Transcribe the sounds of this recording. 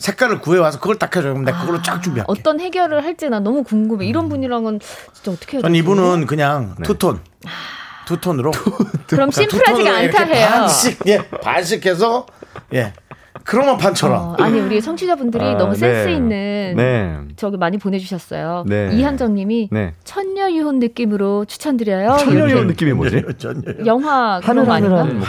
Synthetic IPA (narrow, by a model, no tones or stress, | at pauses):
sʰe̞k̚k͈aɾɯɭkue̞wasʰʌkɯɡʌɭt͈akʰʌd͡ʑʌnndekɯɡʌɭːot͡ɕ͈ak̚t͡ɕ͈umbiɦa̰ʌt͈ʌnhe̞ɡjʌɾɯɭɦaɭt͈enanʌmukuŋɡɯmeiɾʌnbuɲiɾaŋɡʌnt͡ɕint͡ɕ͈aʌt͈ʌ̥kʰeaʌnibunɯnkɯɲaŋtʰutʰon | tʰutʰonɯɾoɯɾʌmɕʰimpʰuɾad͡ʑiɡeantʰaɦejaonɕik̚je̞pa̰nɕ̬ʰikʰe̞s̬ʰʌje̞ | kɯɾʌŋmʌnpʰant͡ɕʰʌɾʌ̰aɲiuɾiesʰʌŋt͡ɕʰid͡ʑabundɯɾinʌmusʰes͈ɯinːɯnt͡ɕʌɡimaɲipone̞d͡ʑuɕʰʌs͈ʌ̰joeiɦand͡ʑʌŋɲiminet͡ɕʰʌɲːʌjuɦonːɯk͈imɯɾot͡ɕʰu̥t͡ɕʰandɯɾʌjoonːɯk͈imit͡ɕʰʌɲʌjʌŋɦwaɡɯɾoaɲa